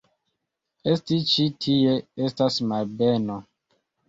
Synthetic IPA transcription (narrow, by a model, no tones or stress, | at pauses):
estit͡ʃitʰijeestasmabɛnɔ